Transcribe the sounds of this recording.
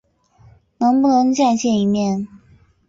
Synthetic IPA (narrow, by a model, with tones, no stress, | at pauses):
nɤ˧˥ŋpu˥˨no˧˥ŋt͡ɕja˥˧nɕjɛ˥˩ni˧˥mjɛ˥˨n